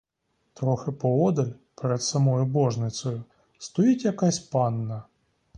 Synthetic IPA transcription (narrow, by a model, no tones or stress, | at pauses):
t̪ɾɔxɪpɔɔd̪ɐlʲpɛɾɛt̪sɐmɔjʊbɔʐnɪt̪sɔjʊ | st̪ɔjitʲjɐkasʲpanːɐ